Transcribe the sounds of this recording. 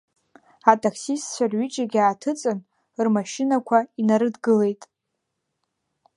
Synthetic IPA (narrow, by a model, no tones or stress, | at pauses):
atʼakʰsistt͡ʃʷʰarɥit͡ʃʼaɡʲaːtʰɨt͡sʼɨn | rmaʃɪnakʷʰainaɾɨdɡɨle̞jtʼ